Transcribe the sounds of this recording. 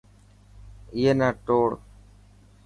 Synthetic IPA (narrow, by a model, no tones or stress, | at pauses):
ɪjeːnaːʈoːɽ